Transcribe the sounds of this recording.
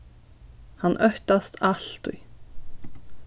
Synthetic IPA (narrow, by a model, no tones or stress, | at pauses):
hanʔœht̪ast̪aɬt̪ʊ̰j